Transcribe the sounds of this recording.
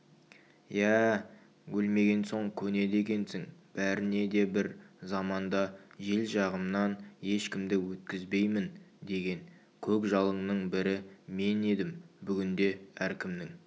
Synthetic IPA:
jæ | wɵlme̞ɡʲe̞nso̞ɴkʲʰɵne̞d̪e̞kʲe̞nsɪŋb̥æɾɪne̞d̪e̞bɪɾzɑmɑnd̪ɑʒe̞lʒɑʁəmnɑnje̞ʃkʲɪmd̪ɪwɵt̪̚kʲɪzbe̞jmɪnd̪e̞ɡʲe̞n | kʲʰɵkʒɑlˠəɴnəɴbɪɾɪme̞ne̞d̪ɪmbʏɡʲɪnd̪e̞æɾkʲɪmnɪŋ

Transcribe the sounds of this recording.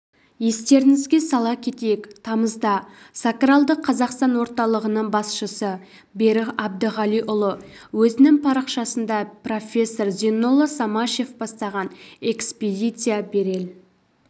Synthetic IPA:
je̞st̪e̞ɾɪŋɪzɡʲe̞sɑlˠɑkʲʰe̞t̪ejekt̪ʰɑməzd̪ɑ | sakralˠd̪əqʰːɑzɑqst̪ɑnwo̞ɾt̪ɑlˠəʁənəɴbɑsʃəsə | be̞ɾɪʁɑb̚d̪əʁɑlˠijʔʊlˠə | wɵzɪnɪŋpʰɑɾəqʃɑsənd̪ɑpro̞fʲe̞sːo̞rzenːolˠəsɑmɑʃe̞fbɑst̪ɑʁɑne̞ksped̪ʲijt̪sɨjabe̞ɾe̞l

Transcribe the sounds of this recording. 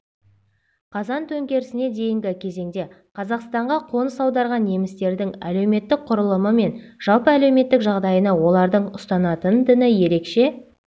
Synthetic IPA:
qʰɑzɑnt̪ʰɵŋkʲe̞ɾɪsɪne̞d̪e̞jɪŋɡʲɪkʲʰe̞ze̞ŋd̪e̞ | qʰɑzɑqst̪ɑɴʁɑqʰo̞nəsɑwd̪ɑɾʁɑnje̞mɪst̪e̞ɾd̪ɪŋæ̰le̞wme̞t̪ːɪk̚qʰʊɾəlˠəməme̞nʒ̥ɑlˠpəæle̞wme̞t̪ːɪkʒɑʁd̪ɑjənɑwo̞lˠɑɾd̪əɴʊst̪ɑnɑt̪ənd̪ɪnɪje̞ɾe̞kʃe̞

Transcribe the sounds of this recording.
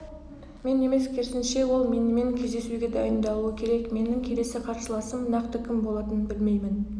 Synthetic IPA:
me̞ne̞me̞skʲʰe̞ɾsɪnʃe̞wo̞lˠme̞nɪme̞ŋkʲʰezd̪e̞suɡʲe̞d̪ɑjənd̪ɑlˠuəkʲʰe̞ɾe̞kme̞nɪŋkʲʰe̞le̞sɪqʰɑɾsəlˠɑsəmnɑqt̪əkʲʰɪmbo̞lˠɑt̪ənbɪlme̞jmɪn

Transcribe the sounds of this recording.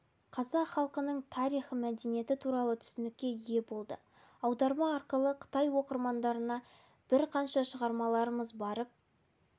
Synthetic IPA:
qʰɑzɑqχɑlˠqənəɴt̪ʰɑɾijχəmæd̪e̞nije̞t̪ɪt̪ʰuɾɑlˠət̪ʰʏ̥sɪnɪk̚ʲːe̞jje̞bo̞lˠd̪ə | ɑwd̪ɑɾmɑːɾqəlˠəqʰə̥t̪ɑjwo̞qəɾmɑnd̪ɑɾənɑ | b̥ɪɾqʰɑnʃɑʃəʁɑɾmɑlˠɑɾəməzbɑɾəp̚

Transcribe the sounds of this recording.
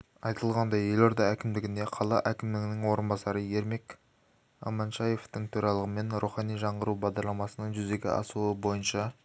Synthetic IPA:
ɑjt̪əlˠʁɑnd̪ɑje̞lo̞ɾd̪ɑækʲɪmd̪ɪɡʲɪnd̪e̞qʰɑlˠɑ̰ʔækʲɪmd̪ɪɡʲɪnɪŋwo̞ɾənbɑsɑɾəje̞ɾmek | ɑ̰mɑnʃɑje̞ft̪ɪŋt̪ʰoɾɑlˠəʁəme̞nɾuχɑnijʒɑɴʁəɾubɑʁd̪ɑɾlˠɑmɑsənəɴʒʏze̞ɡʲɪ̰ʔɑ̰suəbo̞jənʃɑ

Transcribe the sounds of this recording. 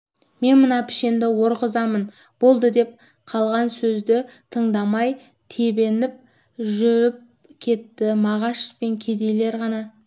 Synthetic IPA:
me̞nmənɑpʰɪ̥ʃe̞nd̪ɪwo̞ɾqəzɑmən | b̥o̞lˠd̪əd̪e̞p̚ | qʰɑlˠʁɑnsɵzd̪ɪt̪ʰəɴd̪ɑmɑj | t̪ʰe̞be̞nɪp̚ | ʒʏɾɪp̚ | kʲʰe̞t̪ːɪmɑʁɑʃpe̞ŋkʲʰe̞d̪e̞jle̞ɾʁɑnɑ

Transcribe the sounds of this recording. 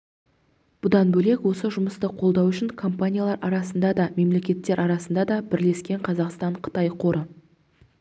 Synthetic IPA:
b̥ʊd̪ɑnbɵle̞kwo̞səʒʊməst̪əqʰo̞lˠd̪ɑwʏʃɪŋkʰo̞mpanʲijalˠɑɾʔɑɾɑsənd̪ɑd̪ɑme̞mle̞kʲe̞t̪ːe̞ɾʔɑɾɑsənd̪ɑd̪ɑbɪɾle̞skʲe̞ɴqʰɑzɑqst̪ɑɴqʰə̥t̪ɑjqʰo̞ɾə

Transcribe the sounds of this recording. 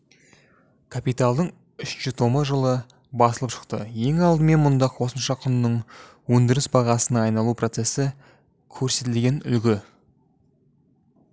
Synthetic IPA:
kʰapijt̪alˠd̪əɴ | ʏʃʒ̥ʏt̪ʰo̞məʒəlˠə | bɑsəlˠəpʃə̥qt̪əje̞ŋɑlˠd̪əme̞nmʊnd̪ɑo̞səmʃɑqʰʊnnəɴ | wɵnd̪ɪɾɪsbɑʁɑsənɑːjnɑlˠupʰro̞t̪se̞sɪ | kʲʰɵɾse̞t̪ɪlɡʲe̞nʏ̰lɡʲɪ

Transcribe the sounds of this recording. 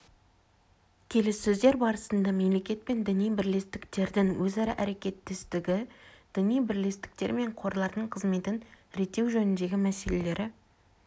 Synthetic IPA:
kʲʰe̞lesːɵzd̪e̞ɾbɑɾəsənd̪ɑme̞mle̞kʲe̞t̪̚pe̞nd̪ɪnijbɪɾle̞st̪ɪkt̪e̞ɾd̪ɪŋwɵzɑɾɑʔæɾe̞kʲe̞t̪ːɪst̪ɪɡʲɪd̪̥ʏnijbɪɾle̞st̪ɪ̥k̚t̪e̞ɾme̞ɴqʰo̞ɾlˠɑɾd̪əɴqʰəzme̞t̪ɪn | ɾet̪ːe̞wʒɵnɪnd̪e̞ɡʲɪmæse̞le̞le̞ɾʔɪ

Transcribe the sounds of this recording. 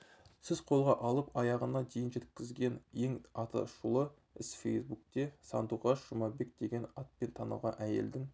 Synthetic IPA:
sɪzqʰo̞lˠʁɑʔɑlˠəpɑjɑʁənɑd̪e̞jɪnʒe̞t̪̚kʲɪzɡʲe̞nje̞ŋɑt̪ʰɑ̰ʃulˠə | ɪsfḛjsbuk̚t̪e̞sɑ̰nd̪uʁɑsʒ̥ʊmɑbe̞k̚d̪e̞ɡʲe̞nɑt̪̚pe̞nt̪ʰɑnɑ̰lʁɑ̰nʔæje̞̰ld̪ɪŋ

